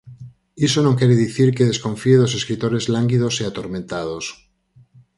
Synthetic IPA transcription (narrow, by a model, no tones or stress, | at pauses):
isonõŋkjeɾeðiθiɾkeðe̞skõ̞ɱfieðos̬e̞skɾit̪oɾezlaŋɡiðoseat̪oɾmẽnt̪að̞os